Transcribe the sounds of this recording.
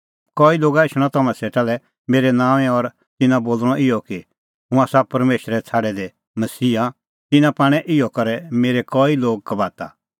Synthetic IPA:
kɔːiloːɡaɪʃɽ̃ɔ̃t̪ɐmãseːʈalɛ | meːɾɛnãːʋɛ̃ɔɾ | t̪ɪnãboːlɽ̃ɔʔɪjɔki | ɦʊ̃aːsapɐɾmeːʃɾɛt͡sʰaːɽɛd̪e | mɐsiːɦã | t̪ɪnãpaːɽ̃ɛ̃ʔɪjɔkɐɾɛmeːɾekɔːiloːɡ̚kɐbaːt̪a

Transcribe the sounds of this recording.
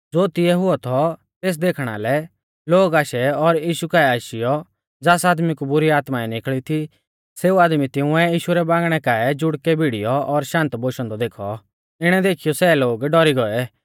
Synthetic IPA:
d͡zoːt̪ɪɛɦʊɔt̪ʰɔ | t̪eːs̬d̪eːkʰɽ̃a̰lɛ | loːɡaːʃɛɔɾjiːʃukaːɛaːʃɪjɔ | d͡zaːsaːd̪mikubʊɾiaːt̪maɛnɪkɭit̪ʰi | seːuaːd̪mit̪ɪ̃ʊ̃ɛjiːʃuɾɛbãːŋɡɽ̃ɛkaːɛd͡ʒʊɽkɛbʱiɽijɔʔɔɾʃãːnt̪boːʃɔ̃nd̪ɔd̪eːkʰɔ̰ | ɪɽ̃ɛd̪eːkʰɪjɔsɛːloːɡɖɔɾiɡɔɛ

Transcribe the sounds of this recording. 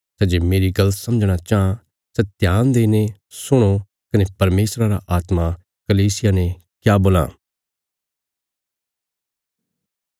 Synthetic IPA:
sɛd͡ʒeːmeːɾiɡɐlət̪sɐ̃md͡ʒɽ̃at͡ʃaːã | sɛt̪jaːnd̪eːne | sʊɽ̃o | kɐnepɐɾmeːsɾaɾa̰ʔaːt̪ma | kɐliːsɪjane | kjaːboːla̰ː

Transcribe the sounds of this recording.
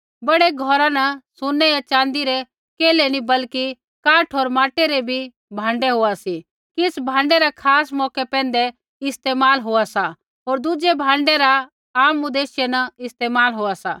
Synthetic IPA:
bɐɽeɡʱɔɾãnɐsʊnːɛjat͡ʃãːnd̪iɾe | keːlenĩbɐlki | kãːʈʰɦoːɾmaːʈeɾebʱi | bʱãːɳɖeɦoasi | kɪsbʱãːɳɖeɾakʰaːsmɔːkepɛ̃ːn̆d̪e | ɪst̪eːmaːlɦoasa | ɦoːɾd̪ʊd͡ʒebʱãːɳɖeɾa | aːmud̪eːʃjenɐɪst̪eːmaːlɦoasa̰

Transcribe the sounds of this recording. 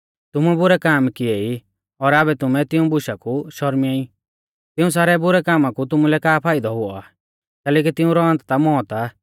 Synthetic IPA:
t̪ʊmubʊɾɛkaːmkɪei | ɔɾaːbɛt̪ʊmɛ̃t̪ɪũbʊʃakuʃɔɾmiaːĩ | t̪ɪũs̬aːɾɛbʊɾɛkaːmakut̪ʊmulɛkaːpʰaːid̪ɔɦʊa̰ː | t̪ɛːlɛːk̬it̪ɪũɾɔɐ̃nt̪t̪amɔːt̪a

